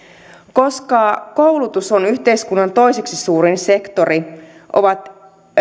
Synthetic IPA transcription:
ko̞skɑkowlut̪usonyçt̪e̞jskunːɑnt̪o̞jseksisuːɾinse̞kt̪o̞ɾi | ʔo̞̰ʋɑt̪

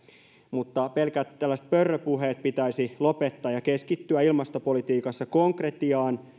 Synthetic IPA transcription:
mut̪ːɑpe̞lkæt̪t̪ːælːæst̪̚pørːøpuɦeːt̪̚pit̪æisilopet̪ːɑːjɑkeskit̪ːyæilmɑst̪opolit̪iːkɑsːɑko̞ŋkret̪iɑːn

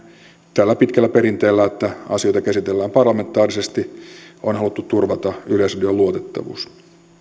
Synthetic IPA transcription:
t̪ælːæpit̪kælːæpeɾint̪eːlːæet̪ːæɑ̰sijo̞jt̪ɑkæsit̪elːæːmpɑrlɑment̪ːˑɑːrisest̪ionɦɑlut̪ːut̪t̪urʋɑt̪ɑylesrɑdioluot̪et̪ːɑ̰ʋṵːs

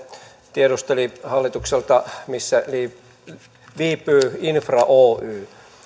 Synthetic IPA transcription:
t̪ieɾust̪elihɑlːit̪ukselt̪ɑmisːæliː | ʋiːpːˑyːinfrɑʔoːʔyː

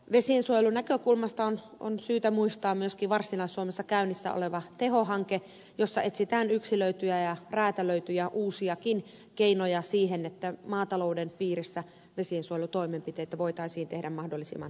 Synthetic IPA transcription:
ʋesiensuojelunækøkulmɑst̪ɑono̰nsyːt̪æmuist̪ɑːmmyøskiːʋɑrsilɑisːuomesːɑkæynːisːæ̰o̰leʋɑt̪ehohɑŋke | josːɑʔet̪sit̪æːnyksiløyt̪yjæjɑræːt̪æløyt̪yjæʔuːsiɑkin | keinojɑsiːhenet̪ːæmɑːt̪ɑloudenpiːrisːæ | ʋesiensuojelut̪oimempit̪eit̪æʋoit̪ɑisiːnt̪ehdæmmɑhdolːˑisḭmːɑ̰n

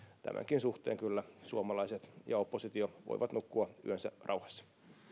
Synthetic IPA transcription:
t̪æ̰mʔæ̰ŋkinsuht̪eːŋkylːæsuomɑlɑiset̪jɑopːosit̪ioʋo̰iʋɑt̪nukːuɑy̰ensærɑ̰uhɑ̥sːɑ̥

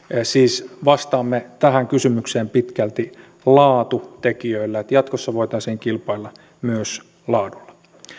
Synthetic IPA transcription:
siːsʋɑst̪ɑːmːet̪æhæŋkysymykseːmpit̪kælt̪i | lɑːt̪ut̪ekiøilːæet̪jɑt̪kosːɑʋoit̪ɑisiːŋkilpɑilːɑ | myøs | lɑːdulːɑ̥

